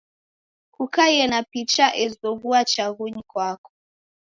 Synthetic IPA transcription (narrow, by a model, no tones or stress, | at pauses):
kukajɛnapit͡ʃaʔɛzɔɣuat͡ʃaɣuɲikwakɔ̥